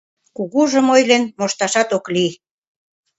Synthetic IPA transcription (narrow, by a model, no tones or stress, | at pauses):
kuɣuʒə̆mojlenmoʃt̪ɑʃɑt̪okli